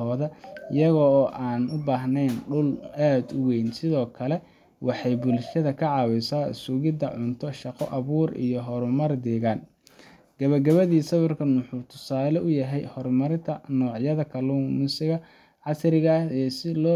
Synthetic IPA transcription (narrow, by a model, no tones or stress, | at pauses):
ɔːðɐɪjɐɣɔːʔaːnʊbaːɦnɛjnɖʊlaːd̪ʊwɛjnsɪðɔːkʰɐlɛ | wʔɑħɑjbʊlʃɐðɐkʰɐʕɑːwɪsaːɪ̰sʊɣɪd̪ɐʕʊnt̪ʰɔʃɑqɔ̰ʔɐβuːrḭjɔɦɔɾʊmɐrd̪ɛːɣaːn | ɡ̥ɐβɐɡɐβɐðiːsɐβɪrkʰɐnwʊħuːt̪ʰʊ̥saːlɛʔʊjɐɦɛjhɔrmɐɾɪnt̪ʰɐnɔːʕjɐðɐkʰɐlumʊsɪɣɐ | ʕɑsɾɪɣɐɛsɪlɔː